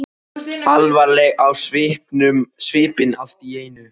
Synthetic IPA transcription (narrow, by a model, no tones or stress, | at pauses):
alvaɾlɛɣawsvɪhpnʏmsvɪːpɪnal̥t̪ieːjnʏ